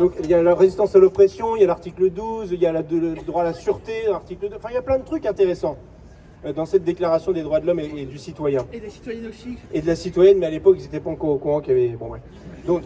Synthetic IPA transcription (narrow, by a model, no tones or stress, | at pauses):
d̪ɔ̃kiljalaʁezist̪ɑ̃salɔpχɛsjɔ̃iljalaʁt̪ikləd̪uziljalad̪ləd̪ʁwalasyʁt̪elaʁt̪ikləd̪ɑ̃fɛ̃iljaplɛ̃d̪ət̪χykɛ̃t̪eʁesɑ̃ | ød̪ɑ̃sɛt̪̚d̪eklaʁasjɔ̃d̪ed̪ʁwad̪əlɔmeːd̪ysit̪wajɛ̃ | ed̪əlasit̪wajɛnmɛalepɔkis̬et̪ɛpaɑ̃kɔkuɑ̃kjavɛbɔ̃wɛ | d̪ɔ̃k